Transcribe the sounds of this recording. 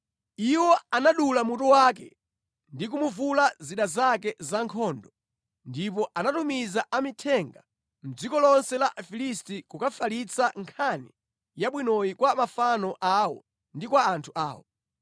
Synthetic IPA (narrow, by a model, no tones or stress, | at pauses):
iwɔanaɗulamutɔwaːk̬ɛ̰ | ndik̬umuvulaziɗazakɛzaŋkʰɔːndɔ | ndip̬ɔʔanatumizaʔamitʰɛŋɡa | m̩d͡zikɔlɔnsɛlafilistikukafalit͡saŋkʰanḭ | jaɓwinɔjikwamafanɔʔawɔ̰ | ndikwaːntʰuʔa̰ːwɔ̰